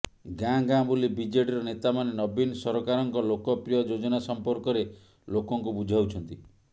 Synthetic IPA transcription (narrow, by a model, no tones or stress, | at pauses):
ɡãɡãbulibid͡ʒeʈiɾɔnet̪amanenɔbinsɔɾɔkaɾɔŋkɔlokɔpɾijɔd͡ʒod͡ʒɔnasɔmpɔɾkɔɾe | lokɔŋkubud͡ʒʱawt͡ʃʰɔnt̪i